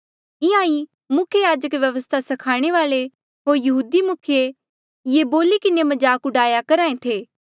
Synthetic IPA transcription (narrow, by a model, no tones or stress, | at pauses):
ɪãːi | mʊkʰjejaːd͡ʒəkʋjɐʋəst̪ʰasɐkʰaːɽ̃eʋaːle | ɦoːɾjɐɦuːd̪imʊkʰje | jeboːlikɪnemɐd͡ʒaːkʊɖaːjakɐɾaːẽt̪ʰeː